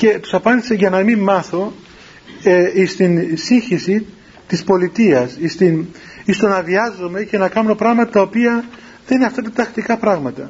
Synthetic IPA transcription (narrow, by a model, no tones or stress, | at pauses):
ce̞t̪u̥sɐpɐnd̪ise̞ʝɐnɐmimːɐθo̞ | eist̪insiçisi | t̪ispo̞lit̪iɐsist̪in | ist̪o̞nɐðiɐzome̞ce̞nɐkɐnno̞pɾɐɣmɐt̪ɐt̪ɐopiɐ | ðeineɐft̪ɐt̪ɐt̪ɐxt̪ikɐpɾɐɣmɐt̪ɐ